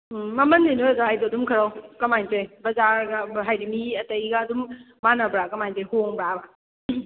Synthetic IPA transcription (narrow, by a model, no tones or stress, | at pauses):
mɐmɐndinojɐzaajdoɐdumkʰɐɾawkɐmajntojbɐzaɾɡaɦajɾimiɐtɐiɡaːdumː | anɐbɾakɐmajntɔjhoŋbɾaba